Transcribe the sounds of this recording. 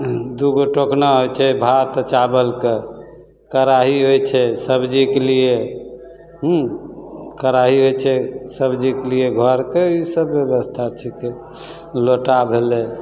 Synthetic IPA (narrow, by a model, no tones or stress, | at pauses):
d̪uɡoʈoknaɦojt͡ʃʰɛbʱat̪t͡ʃabəlke | kəɾaɦiɦojt͡ʃʰɛsəbd͡ʒikelie | ɦ | kəɾaɦiɦojt͡ʃʰɛsəbd͡ʒikelieɡʱɔɾkeisəbːjebəst̪ʰat͡ʃʰɛke | loʈabʱele